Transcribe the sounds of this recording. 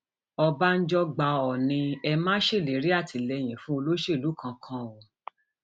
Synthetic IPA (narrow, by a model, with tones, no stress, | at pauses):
ɔ˧ba˦n̩˦d͡ʒɔ˦ɡ͡ba˨˧ɔ˨nĩ˧ɛ˧mãː˦ʃe˦˨le˨ɾi˦a˦˨tʰi˨lɛ˧j̃ĩ˨fũ˦o˧lo˦ʃe˦˨lu˨˦kʰã˨˧kʰã˦wo˨